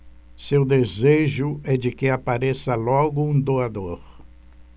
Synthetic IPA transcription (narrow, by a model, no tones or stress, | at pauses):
sewd̪ezeʒʊɛd͡ʒɪkɪapaɾesɐlɔɡʊũd̪oad̪oɾ